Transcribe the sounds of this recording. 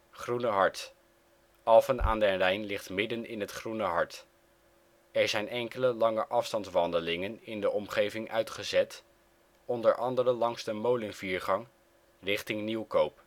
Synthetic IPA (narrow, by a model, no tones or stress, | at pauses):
χrunəɦɑɹt | ʔɑlˠfəna̰ːndɛnrɛjnlɪχtmɪdənɪ̰nɦətχrunəɦɑɹt | ɛɹzɛjnɛŋkələlɑŋəʔɑfstɑntʋɑndəlɪŋənɪndəʔɔmχejvɪŋʔœ̰ɥtχəzɛt | ɔndəɹʔɑndərəlɑŋzdəmowlənviːɹχɑŋ | rɪχtɪŋniwkowp